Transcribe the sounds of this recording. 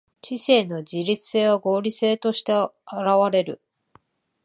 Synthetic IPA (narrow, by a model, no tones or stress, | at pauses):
t͡ɕise̞ːno̞d͡ʑiɾʲit͡sɨ̥se̞ːβaɡo̞ːɾʲise̞ːt̪o̞ɕi̥t̪e̞aɾaβaɾe̞ɾɯ̟̰